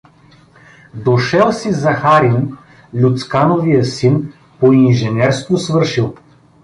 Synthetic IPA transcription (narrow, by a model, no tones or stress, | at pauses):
d̪oʃɛlˠsizɐxaɾin | lʲut̪skanovijəsin | poinʒɛnʲɛɾst̪vosvɤɾʃilˠ